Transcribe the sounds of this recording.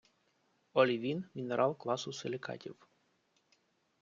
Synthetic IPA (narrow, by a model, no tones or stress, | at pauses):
ɔlʲiʋʲinmʲineɾʔɑlˠklˠɑsʊselʲɪkɑ̰tʲḭw